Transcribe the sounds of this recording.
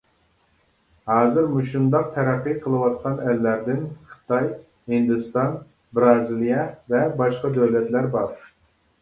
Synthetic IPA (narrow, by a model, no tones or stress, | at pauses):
hɑːzɨɾmuʃund̪ɑq̚t̪ʰɛɾæqːiqʰəlˠɨwɑt̪̚qʰɑnɛlːæɾd̪ɪnqʰə̥t̪ɑj | hɪnd̪ɨst̪ɑn | bɾɑːzilijɑvɛbɑʃqɑd̪øwlɛt̪læɾbɑɾ